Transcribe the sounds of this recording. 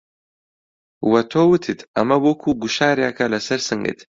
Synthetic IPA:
wɐt̪ʰoːwɨt̪ʰɨt̪ʰɐmɐbokʰuɡuʃaːɾjaːkʰɐlɐsɐɾsɨŋɡɨ̰t̪

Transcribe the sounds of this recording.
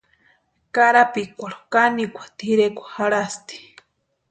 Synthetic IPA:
kaɾapikʷaɾo̥kanikʷḁt̪iɾekʷḁhaɾast̪i̥

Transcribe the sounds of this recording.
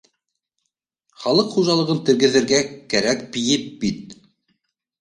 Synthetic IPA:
χɑlˠɤqχuʒɑlˠɤ̆ʁɤnt̪ɘ̆ɾɡɘ̆ðɘ̆ɾɡækæɾæk̚bijɘp̚bit̪̚

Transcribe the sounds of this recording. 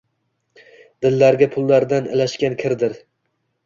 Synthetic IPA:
d̪̥ɪlːaɾɡʲapʰʊlˠːaɾd̪anɪ̰laʃkʲankʲʰɪɾd̪ɪɾ

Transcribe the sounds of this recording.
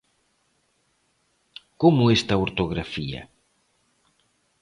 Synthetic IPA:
komʊest̪ɐoɾt̪oɣɾafiɐ̰

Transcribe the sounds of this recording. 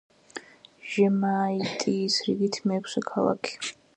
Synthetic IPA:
ʒ̥ɛmaːit̪ʼisɾiɡit̪ʰmɛːkʰsɛkʰalˠa̰kʰi̥

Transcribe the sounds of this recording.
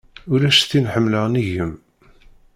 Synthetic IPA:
ʊɾæʃθinħəmːləʁniʝəm

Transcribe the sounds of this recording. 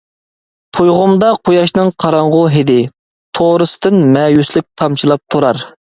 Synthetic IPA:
t̪ʰojʁʊmd̪ɑqʰojɑʃnɨŋqʰɑɾɑɴʁʊɦɪd̪ɪ | t̪ʰoɾɨsɨ̥d̪ɨnmɛjyslɪk̚ʲt̪ʰɑmt͡ʃʰilˠɑp̚t̪ʰuɾɑɾ

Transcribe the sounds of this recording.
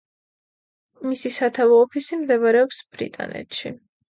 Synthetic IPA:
misisat̪ʰavɔːpʰisimd̪ɛbɾɛɔpsb̥ɾḭt̪ʼa̰nɛ̰t̪ʰʃḭ

